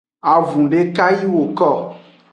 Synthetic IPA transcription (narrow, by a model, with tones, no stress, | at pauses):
a˨vũ˨ɖe˦ka˦ji˦wo˨kɔ˦˨